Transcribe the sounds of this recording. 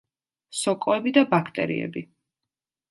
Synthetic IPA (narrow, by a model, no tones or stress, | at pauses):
sɔkʼɔɛbid̪abakʰt̪ʼɛ̰ɾḭɛ̰bi